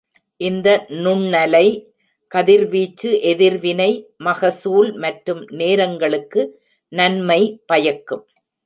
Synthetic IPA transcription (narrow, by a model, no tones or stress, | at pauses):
ʔɪnd̪ɐnʊɳːɐlɐɪ | kɐðɪɾʋiːt͡ʃːɯʔɛðɪɾʋɪnɐɪmɐɣɐsuːlmɐʈrɯmneːɾɐŋɡɐɭɯkːɯ | nɐnmɐɪpɐjɐkːɯm